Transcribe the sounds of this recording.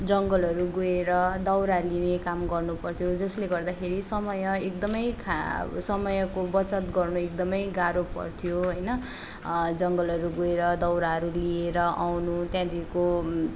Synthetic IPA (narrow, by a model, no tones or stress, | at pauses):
d͡zʌŋɡʌlɦʌɾuɡoeɾʌd̪ʌwɾalinekamɡʌrnupʌrt̪ʰijod͡zʌsleɡʌrd̪akʰeɾisʌmʌjʌekd̪ʌmʌjkʰa̰sʌmʌjʌkobʌt͡sʌt̪ɡʌrnuekd̪ʌmʌjɡaɾopʌ̰rt̪ʰijoɦʌjnʌ | d͡zʌŋɡʌlɦʌɾuɡoeɾʌd̪ʌwɾaɦʌɾulieɾʌʔawnut̪jãd̪iko